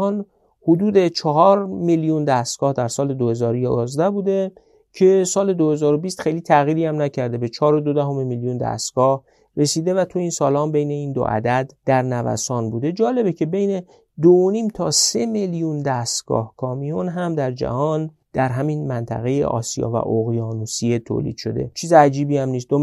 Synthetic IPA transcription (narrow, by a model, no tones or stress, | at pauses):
ɒːn | hod̪uːd̪e̞t͡ʃʰɒɦɒːɾmiljund̪æst̪ɡ̥ɒːhd̪æɾsɒːle̞d̪ohe̞zɒːɾojɒzd̪æhbuːd̪e̞ | cʰe̞sɒːle̞d̪o̞he̞zɒːɾobist̪xejliːt̪ʰæɣiːɾiːæmnæcʰæɾd̪e̞be̞t͡ʃʰɒːɾo̞d̪od̪æɦo̞memiljund̪æ̰st̪ɡ̥ɒːh | re̞siːd̪e̞væt̪ʰuiːnsɒːlɒːmbe̞jne̞iːnd̪o̰ʔæ̰d̪æd̪d̪̥æɾnævæ̰sɒːnbuːd̪e̞d͡ʒɒːlebecʰe̞be̞jne̞ | d̪ooniːmt̪ʰɒse̞meljund̪æst̪ɡ̥ɒ̰ːhkʰɒːmijonɦæmd̪æɾd͡ʒæ̰hɒːn | d̪̥æɾɦæminmænt̪ʰæ̰ɣe̞jḛʔɒ̰ːsijɒ̰ːvæ̰ʔoɣjɒːnusiet̪ʰo̰ːlḭːd̪̥ʃo̞̰d̪e̞̰t͡ʃʰiːzeæd͡ʒiːbiːæmniːs̬t̪d̪o